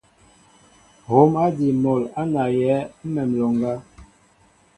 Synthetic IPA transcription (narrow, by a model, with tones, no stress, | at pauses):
ho˨˦ma˦di˨mɔ˨la˦na˨jɛ˨˦m̩˦mɛ˨mlɔ˨ŋɡa˦